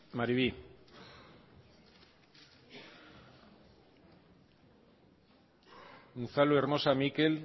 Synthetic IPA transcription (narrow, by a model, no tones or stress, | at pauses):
maɾiβi | unθaloeɾmo̞samikel